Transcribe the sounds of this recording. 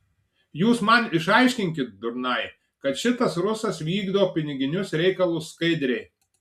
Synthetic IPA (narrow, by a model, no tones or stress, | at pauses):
juːsmɐnɪʃɐɪʃʲkʲɪŋʲkʲɪt̪̚d̪ʊɾnɐɪ | kɐt̪ʃʲɪt̪ɐsɾʊsɐsʋʲiːɡd̪oːpʲɪnʲɪɡʲɪnʲʊsɾʲɛɪkɐlˠuːskɐɪd̪ʲɾʲɛɪ